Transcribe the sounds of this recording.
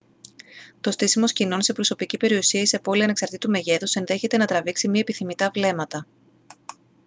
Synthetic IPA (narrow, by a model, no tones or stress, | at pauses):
t̪o̞st̪isimo̞scinonse̞pɾo̞so̞picipe̞ɾiusiɐisepo̞liɐne̞ksɐɾt̪it̪ume̞ʝe̞t̪usenðe̞çe̞t̪e̞nɐt̪ɾɐviksimiɐepiθimit̪ɐvle̞mɐt̪ɐ